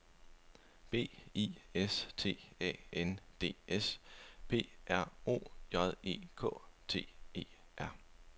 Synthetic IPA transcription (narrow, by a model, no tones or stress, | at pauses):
b̥e̝̰ːḭːest͡sʰe̝̰ːɛ̰ːend̥e̝̰ːespʰe̝̰ːʔæɐ̰o̝̰ːjɒ̽ðˠe̝̰ːkʰɔ̰̽ːt͡sʰe̝̰ːe̝̰ː | ʔæɐ̰